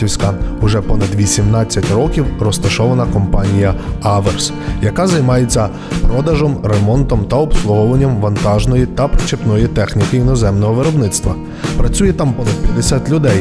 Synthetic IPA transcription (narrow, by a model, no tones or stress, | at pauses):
iwsʲkɐʊʒɛpɔnɐd̪ʋʲisʲimnɑt͡sʲːɐtʲrɔkʲiwrɔst̪ɐʃɔʋɐnɐkɔmpɑnʲijɐɑʋers | jɐkazɐjmɑjet͡sʲːɐ | pɾɔd̪ɐʒɔmɾemɔnt̪ɔmt̪ɐɔpslˠʊɦɔʋɐnʲːɐmʋɐnt̪ɑʒnɔjit̪ɐpɾt͡ʃepnɔjit̪ɛxnʲikɪinɔzɛmnɔɦɔʋeɾɔbnɪt̪st̪ʋɐ̰ | pɾɐt͡sʲujɛt̪ɑmpɔnɐd̪̚pjɐd̪esʲat̪ʲlʲʊd̪ɛj